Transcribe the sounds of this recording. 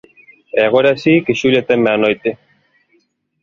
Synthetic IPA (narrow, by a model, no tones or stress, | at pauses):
eɣoɾasikiʃulet̪emeanojt̪e